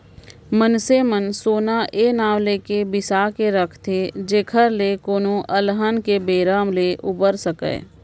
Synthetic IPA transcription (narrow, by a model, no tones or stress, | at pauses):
mənsemənsoːnaʔeːnaːʋleːkebɪsaːkeɾəkʰt̪ʰed͡ʒeːkʰəɾlekoːnõʔəlɦənkebeːɾaːmleʔʊbəɾsəkḛː